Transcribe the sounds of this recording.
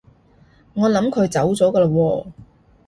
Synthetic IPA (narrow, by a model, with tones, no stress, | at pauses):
ŋɔː˨˧lɐ˨˧˥mkʰɵ˨˧ɥt͡sɐ˨˥wt͡sɔː˨˥kɐː˧lɐ˧wɔː˧